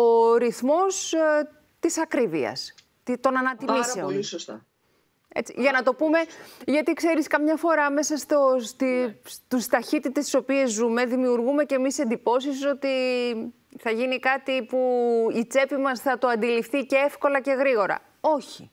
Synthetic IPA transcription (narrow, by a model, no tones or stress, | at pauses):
o̞ɾiθmo̞s | t̪isɐkɾivḭɐ̰s | t̪it̪o̞nɐnɐt̪imise̞onsost̪ɐ | e̞̰t͡sḭʝɐnɐt̪o̞pume̞ʝɐt̪ikse̞ɾiskɐmɲɐfo̞ɾɐme̞sɐst̪ost̪ist̪ust̪ɐçit̪it̪est̪i̥so̞pie̞zzume̞ðimiuɾɣume̞cemise̞nd̪ipo̞sis̬o̞t̪i | θɐʝinikɐt̪ipuit͡se̞pimɐsθɐt̪oɐnd̪ilifθiceefko̞lɐce̞ɣɾiɣo̞ɾɐ̰ | o̞çi̥